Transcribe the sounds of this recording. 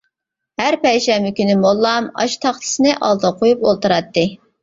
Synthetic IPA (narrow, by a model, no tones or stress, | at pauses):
hæɾpɛjʃɛmɪkʲynɪmolˠːɑmɑ̰ʃt̪ʰɑχt̪ʰɨ̥sɨnɨʔɑlˠd̪ɑqʰojupolˠt̪ɨɾɑt̪ːɨ